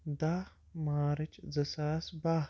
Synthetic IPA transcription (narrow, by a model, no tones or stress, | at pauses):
d̪a | maːɾɐt͡ʃzɐsaːsbaː